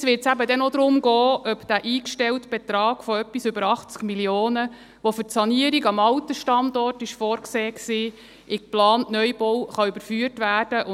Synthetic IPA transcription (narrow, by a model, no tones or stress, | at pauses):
sʋɪtsæbədɛnod̪ɾʊmɡɔːʔœpd̥æʔiːkʃtɛltb̥et̪ɾɑːɡ̥fɔœpːisʏbəɾɑχt͡skmiljoːnə | ʋofʏtsɑniəɾiɡɑmɑwt̪əʃtɑndɔrtɪʃfɔːɾkseːksiː | ʔɪkplɑːnnœjb̥ɔwχɑʏbəɾfyːərtʋæːrd̥əʔʊ